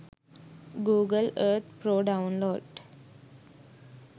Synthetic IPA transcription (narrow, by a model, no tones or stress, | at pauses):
ɡuːɡələɾt̪ʰpɾoːɖaʊ̃nloːɖ